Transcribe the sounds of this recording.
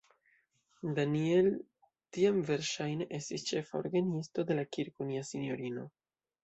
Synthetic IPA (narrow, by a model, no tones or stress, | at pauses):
danie̞l | tiamve̞ɾʃajne̞ʔe̞stist͡ʃe̞fao̰ɾɡanisto̞d̪e̞lakiɾkoniasinjo̞ɾino̞